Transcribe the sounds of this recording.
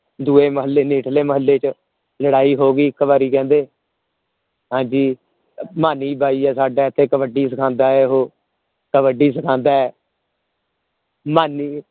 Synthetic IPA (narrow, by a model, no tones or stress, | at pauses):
d̪uːeːməɦəlːeːniːʈʰleːməɦəlːeːt͡ʃ | ləɽaːiːɦoːɡiːɪkːəʋaːɾiːkɛ̃ːnd̪eː | ɦãːɲd͡ʒiː | maːniːbʱaːiːɛːsaːɖaːt̪ʰːẽːkəʋəɖiːs̬əkʰãːnd̪aːɛːɦoː | kəʋəɖiːs̬əkʰãːnd̪aːɛː | maːniː